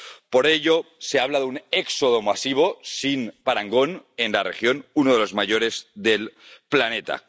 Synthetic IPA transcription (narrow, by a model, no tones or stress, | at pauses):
poɾeʎoseaβ̞laðuneksoð̞omasiβ̞o̞sinpaɾaŋɡo̞nenlarexjo̞nunoðelo̞zmaʝoɾezðelplanet̪a̰